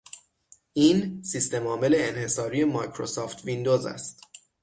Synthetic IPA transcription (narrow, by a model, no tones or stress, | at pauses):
ʔiːnsist̪e̞mɒːme̞le̞ːnhe̞sɒːɾije̞mɒjkʰɾosɒːft̪ʰvind̪ozæ̰st̪